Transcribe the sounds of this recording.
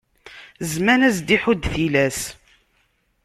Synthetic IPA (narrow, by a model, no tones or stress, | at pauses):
zmænæsd̪iħud̪θilæs